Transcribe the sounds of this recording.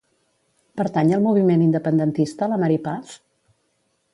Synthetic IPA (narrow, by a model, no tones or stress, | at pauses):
pəɾt̪aɲəlˠmuβ̞imenind̪əpənd̪ənt̪ist̪ələməɾipaf